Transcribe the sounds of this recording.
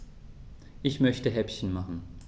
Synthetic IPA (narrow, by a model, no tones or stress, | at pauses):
ʔɪçmœçtəɦɛpçən̩maχn̩